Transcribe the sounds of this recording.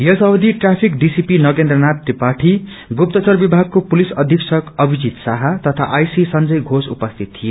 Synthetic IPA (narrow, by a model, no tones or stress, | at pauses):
jʌsʌwd̪ʱiʈrapʰik̚ɖisipinʌɡend̪rʌnat̪ːipaʈʰi | ɡup̚t̪ʌt͡sʌrbibʱaɡ̚kopulisʌd̪ʱiksʌkʌbʱid͡zit̪saɦʌt̪ʌt̪ʰaʔajsisʌnd͡zʌjɡʱosṵpʌst̪ʰit̪ʰːije